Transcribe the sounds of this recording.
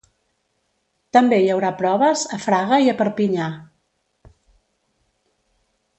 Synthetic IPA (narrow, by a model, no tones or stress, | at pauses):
t̪əmbejəwɾapɾɔβəzəfɾaɣəiəpəɾpiɲa